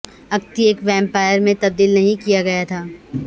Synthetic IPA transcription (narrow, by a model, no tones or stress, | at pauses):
ɐk̚t̪iəkʋɛ̃ːmpaːjəɾmẽt̪ɐb̚d̪iːlnɐɦĩkijaɡɐjat̪ʰaː